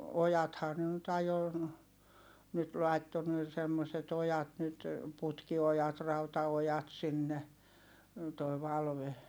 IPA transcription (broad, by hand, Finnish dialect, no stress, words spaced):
ojɑthɑː ne nyt ɑjo nyt lɑi̯tːo ne semːoset ojɑt nyt putkiojɑt rɑutɑojɑt sinːe toi̯ ʋɑlʋe